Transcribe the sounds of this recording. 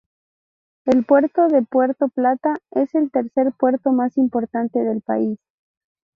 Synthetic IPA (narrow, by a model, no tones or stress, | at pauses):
elpwe̞ɾt̪o̞ðe̞pwe̞ɾt̪o̞plat̪ae̞se̞lt̪e̞ɾse̞ɾpwe̞ɾtp̪o̞masimpo̞ɾt̪ant̪e̞ð̞e̞lpa̰is